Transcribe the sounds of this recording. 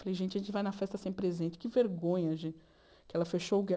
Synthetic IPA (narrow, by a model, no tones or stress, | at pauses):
falejʒẽnt͡ʃɪɐʒẽnt͡ʃɪvajnɐfɛst̪ɐsẽj̃pɾezẽnt͡ʃɪ̥kɪveɾɡõɲɐʒẽ | kɪɛlɐfeʃoʊɡ